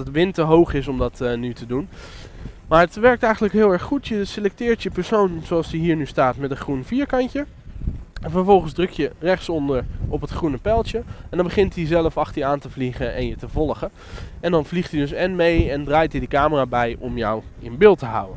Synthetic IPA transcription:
ətʋɪntəɦowχɪsɔmdɑtnytədun | maːɹətʋɛɹk̚tɛjχən̩ləkɦɪːlˠɛɹχχutjəselɛk̚tɪːɹtjəpɛɹsownzoɑlˠsiɦiːɹnystaːtmɛtənχrunfiːɹkɑɲcə | ɛnvəɹvɔlˠχənzdrɵkjərɛχtsɔndəɹɔpɦətχrunəpɛlˠt͡ʃəɛndɑ̃nbəχɪntizɛləfɑχtəjəaːntəvliχəʔɛ̰njətəvɔlˠχə | ɛndɑnvliχtidɵsɛnmejɛndraːjtidəkaːməraːbɛjʔɔmjɔwɪ̰nbɪːlˠtəɦʌ̰wə̰n

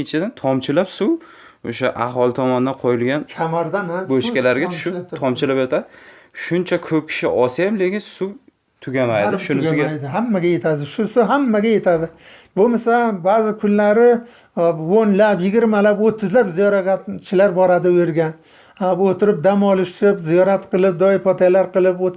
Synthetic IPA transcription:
et͡ʃʰɪd̪ant̪ʰɒmt͡ʃʰɪlapsu | oʃaʔahɒlˠɪt̪ʰɒmɒnd̪anqʰojɪlɡʲankʲʰamaɾd̪anaboʃkʲalaɾɡʲat͡ʃʰʃɪt̪ʰɒmt͡ʃʰɪlapjot̪ʰad̪ɪʃʊnt͡ʃʰakʰɵp̚kʲʰɪ̥ʃɪʔɒsajamlekʲɪnsuw | t̪ʰʊɡʲamajd̪ɪʃʊnɪsɪɡʲajd̪ɪɦamːaɡʲaje̞t̪ʰad̪ɪʃʊsʊɦamːaɡʲaje̞t̪ʰad̪ɪbʊmasabaːzɪkʰʊnlaɾɪ | onlapjɪɡʲɪɾmalapot̪ʰːɪzlapzijɒɾaɡʲat͡ʃʰɪlaɾbɒɾad̪ɪojɪɾɡʲan | aot̪ʰɪɾɪp̚d̪amɒlˠɪʃtɪpzijɒɾat̪qʰɨlˠɪp̚d̪ɒɪɾpʰɒt̪ʰalaɾqɨlˠɪpo

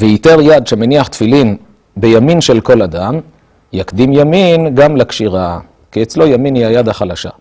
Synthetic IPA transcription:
veit̪eʁjad̪ʃemeniaχt̪filin | bejaminʃelko̞lad̪am | jakd̪imjaminɡamlakʃiʁa | kiet͡slo̞jaminiajad̪aχalaʃa̰

